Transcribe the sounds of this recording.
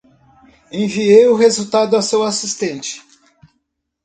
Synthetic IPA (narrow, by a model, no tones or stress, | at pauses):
ẽviejʊɦezut̪ad̪ʊasewasist̪ẽnt͡ʃɪ̥